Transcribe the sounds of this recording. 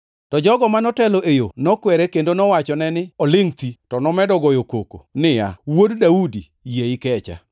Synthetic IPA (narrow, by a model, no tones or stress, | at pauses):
tɔd͡ʒɔɡɔmanɔtɛloʔejonɔkwɛɾekendonɔwat͡ʃɔnɛnɪɔlɪŋt̪itɔnɔmɛdɔɡɔjokoko̰nɪja̰woddaudi | jeɪkɛt͡ʃa̰